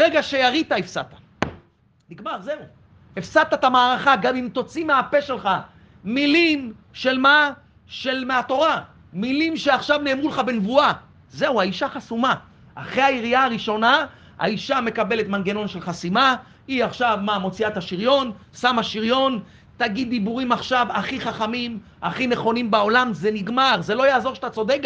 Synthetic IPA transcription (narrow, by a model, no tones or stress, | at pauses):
ʁeɡaʃe̞jaʁit̪aefsat̪ḁ | niɡmaʁze̞u | efsat̪at̪amaːʁaχaɡamimt̪o̞t͡simeape̞ʃe̞lχa | milim | ʃe̞lma | ʃe̞lmeat̪o̞ʁa | milimʃe̞aχʃavne̞ːmʁuleχabenvua | ze̞uaiʃaχasuma | aχʁeaiʁiaaʁiʃo̞na | a̰iʃame̞kabe̞le̞t̪manɡeno̞nʃe̞lχasima | iaχʃavmamo̞t͡siataʃiʁjo̞nsamhaʃiʁjo̞n | t̪aɡid̪ːibuʁimaχʃavaχiχaχamim | aχineχo̞nimbao̞lamzeniɡmaʁze̞lo̞jaːzo̞ʁʃat̪at͡so̞d̪ek